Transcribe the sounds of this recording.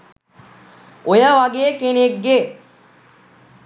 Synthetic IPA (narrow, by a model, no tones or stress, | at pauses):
ojɐʋɐɡeːkeneɡːe